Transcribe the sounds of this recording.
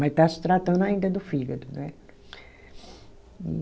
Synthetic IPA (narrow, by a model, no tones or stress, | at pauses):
mɐt̪asɪ̥t̪ɾat̪ɐ̃nd̪ʊaĩnd̪ɐd̪ʊfiɡɐd̪nɛ